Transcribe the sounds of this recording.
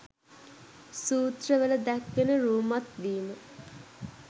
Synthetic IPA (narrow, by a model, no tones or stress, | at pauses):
suːt̪rəʋələd̪ækʋenəɾuːmat̪ʋiːmə